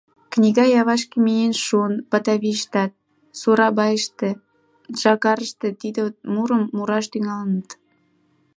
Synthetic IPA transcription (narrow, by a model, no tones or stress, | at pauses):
knʲiɣɑjɑβɑʃkemienʃunpɑt̪ɑβiʃt̪ɑt̪̚ | suɾɑbɑjəʃt̪ĕ | ʒ̥ɑkɑɾəʃt̪ĕt̪id̪emuɾəmːuɾɑʃt̪yŋɑlənət̪